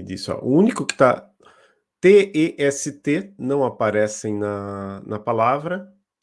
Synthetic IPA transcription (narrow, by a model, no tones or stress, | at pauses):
d̪ḭsʊa̰ʔʊũnikʊkɪ̥t̪a | t̪eeʔɛsɪt̪enɐ̃w̃apaɾɛsẽj̃nɐnɐpalavɾɐ